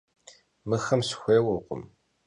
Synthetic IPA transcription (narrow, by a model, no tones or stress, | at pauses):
mɨxɐmsxʷeːwʊqʷʊ̰m